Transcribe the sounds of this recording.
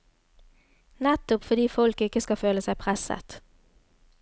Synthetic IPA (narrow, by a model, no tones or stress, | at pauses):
nɛt̪ʊpfɔd̪iːfɔlkɪkəskɑføːləsæɪpʰʁɛsə̰t̪